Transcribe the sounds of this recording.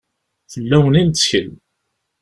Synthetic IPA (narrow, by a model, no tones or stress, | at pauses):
θəlːæwənint͡sːçəl